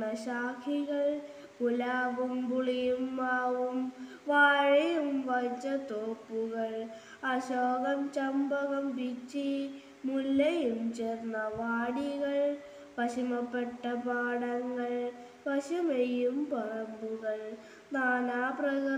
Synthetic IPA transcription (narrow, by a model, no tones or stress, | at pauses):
ɐɕaːkʰiɣɐɭ | kulaːʋumpuɭijumːaːʋum | ʋaːɻɐjumʋɐt͡ɕːɐt̪oːpːuɣɐɭ | ɐɕoːɣɐmt͡ɕɐmbɐɣɐmbit͡ɕːi | mulːɐjumt͡ɕeːrnːɐʋaːɽiɣɐɭ | ʋɐɕimɐpːeʈːɐpaːɽɐŋːɐɭ | pɐɕɐmejumpɐrɐmbuɣɐɭ | naːnaːprɐɣɐ